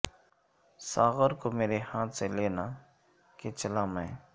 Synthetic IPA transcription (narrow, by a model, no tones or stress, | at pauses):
saːɣəɾkomeːɾehãːt̪seleːna | ket͡ʃɐlaːmɛ̃ː